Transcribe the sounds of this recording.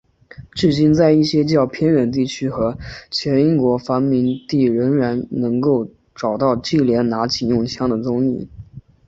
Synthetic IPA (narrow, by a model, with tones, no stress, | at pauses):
ʈ͡ʂɻ̩˥˩t͡ɕi˥˧nt͡sa˥˧ɪi˥˩ɕjɛ˥t͡ɕjɑ˥˩ʊpʰjɛ˥nɻə˧˥nt̪i˥˩t͡ɕʰy˥xɤ˧˥t͡ɕʰjɛ˧˥ni˥ŋkwɔ˧˥fa˧˥nmi˧˥ŋt̪i˥˩ɻə˧˥ŋɻa˧˥nnɤ˧˥ŋko˥˩ʊ | ʈ͡ʂɑ˨˩ʊt̪ɑ˥˧ʊt͡ɕi˥˩ljɛ˧˥nna˧˥t͡ɕʰi˨˩njʊ˥˩ŋt͡ɕʰjɑ˥ŋd̪ə˨t͡sʊ˥ŋḭ˥˩